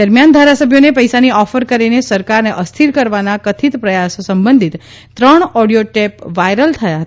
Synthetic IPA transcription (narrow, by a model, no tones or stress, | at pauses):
d̪əɾmjand̪ʱaɾasəbʱjonepəjsaniɔfəɾkəɾinesəɾkaɾneʔəst̪ʰiɾkəɾʋanakət̪ʰit̪pɾəjassəmbənd̪ʱit̪ | t̪ːɾəɳɔɽijoʈɛpʋajɾəlt̪ʰəjaɦət̪a